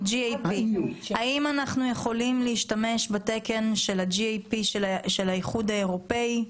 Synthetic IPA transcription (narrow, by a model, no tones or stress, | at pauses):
d͡ʒiejpihaʔimanaχnujeχo̞limliiʃtame̞ʃbate̞ke̞nʃe̞lad͡ʒiejpiʃʃe̞lajiχud̪ae̞ʁo̞pe̞i